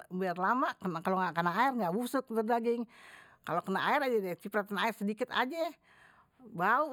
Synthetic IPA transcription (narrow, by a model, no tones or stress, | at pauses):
biarlamakəkaloŋakənaːɪrŋɡaʔbusʊt̪̚bərdaɡɪŋkalokənaʔaɪɾad͡ʒadɛt͡ʃipɾat̪̚ənaɪrsədikɪt̪a̰d͡ʒɛ | bau